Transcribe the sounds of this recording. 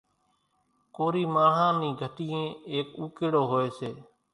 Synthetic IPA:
koːɾiːmaːɳ̤ɦãːnĩːɡʱəʈiːẽːeːkuːkeːɽoːɦoːeːseː

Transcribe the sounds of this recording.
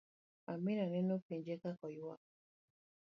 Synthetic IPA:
aminanenofiɲd͡ʒekakɔjua

